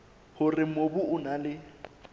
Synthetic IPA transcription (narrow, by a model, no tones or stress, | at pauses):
hʊrɪmobʊʊnalɪ